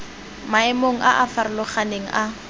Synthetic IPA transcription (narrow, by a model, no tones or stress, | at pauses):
maɛmoŋ̩ʔaʔafaɾʊlʊχaneŋ̩ʔa